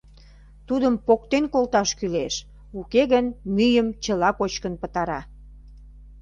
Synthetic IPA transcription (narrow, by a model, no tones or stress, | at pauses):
t̪ud̪əmpok̚t̪enkolt̪ɑʃkyleʃ | ukeɣənmyjəmt͡ɕəlɑkot͡ɕkənpət̪ɑɾɑ